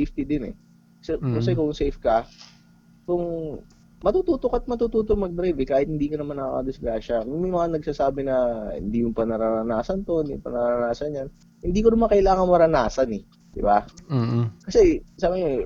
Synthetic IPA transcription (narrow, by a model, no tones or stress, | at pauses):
ɪft̪ɪd̪ɪnɛ̰ | sɛkosɛkʊŋsɛjfkɐ | kʊŋ | mɐt̪uːt̪uːt̪okɐt̪̚mɐt̪uːt̪uːt̪omɐɡ̚d̪ɾɛjvɛkaːhɪt̪̚hɪnd̪iːkɐnɐmanːɐŋa̰ːkɐ̰d̪ɪsɡɾaːʃɐmɪmɛjmɐŋanɐɡ̚saːsaːbɪnɐhɪ̰nd̪ijʊŋpɐnɐɾɐɾɐnaːsɐnt̪o̞ɪnd̪iʊpɐ̰nɐɾɾɐnaːsɐnjɐn | hɪnd̪iːkonɐmakɐʔɪlaːŋɐŋmɐɾɐnaːsɐnɛ | d̪̥ɪba | kɐsɛsaːbɪɲo